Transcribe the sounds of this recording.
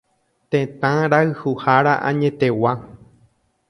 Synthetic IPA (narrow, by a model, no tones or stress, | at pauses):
t̪ẽt̪ãɾaɨhuhaɾaʔã̰ɲẽt̪ewa